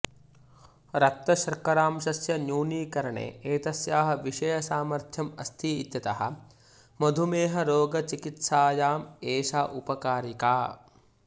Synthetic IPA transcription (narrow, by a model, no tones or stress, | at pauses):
ɾɐt̪ːɐʃɐɾkɐɾaːmʃɐsjɐnjuːniːkɐɾɐɳḛːeːt̪ɐsjaːɦɐ̆ʋiʂɐjɐsaːmɐɾt̪ʰjɐmɐst̪ʰiːt̪jɐt̪ɐɦɐ̰̆ | mɐd̪ʱumeːɦɐɾoːɡɐt͡ʃikit̪saːjaːmeːʃaːʔupɐkaːɾikaː